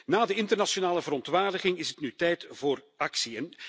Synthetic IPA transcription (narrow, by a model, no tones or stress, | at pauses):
naːdəɪntərnasjonaːləvəɾɔntʋaːrdəɣɪŋɪsətnytɛjtv̥oːr | ɑksijən